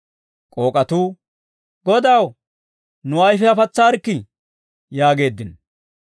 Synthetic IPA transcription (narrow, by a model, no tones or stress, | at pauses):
kʼo̞ːkʼɐt̪uː | ɡɔd̪ɐw | nʊɐjfɛɐfɐt͡sːaːɾkːɪ | jaːɡe̞ːd̪ːɪn